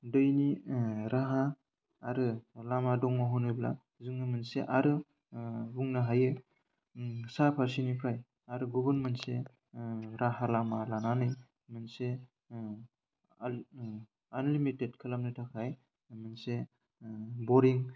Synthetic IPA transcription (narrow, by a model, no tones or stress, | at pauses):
dɯjniɾaɦaː | ɾɯlamadɔŋmaɦɔnɯbla̰ | zɯŋnɯmɯnseʔaɾɯ | buŋnaɦajɯ | sapʰaɾsinipʰɾaj | aɾɯɡubɯnmɯnse | ɾaɦalamalananɯj | mɯnse | anlimitet̚kʰɯlamnɯtʰakʰaj | mɯnse | bɔɾiŋ